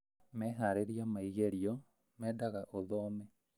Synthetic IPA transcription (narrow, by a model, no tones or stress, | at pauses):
mɛːɦaɾeɾiamaiɣeɾiɔ | mɛːdaɣaʔoðɔːmɛ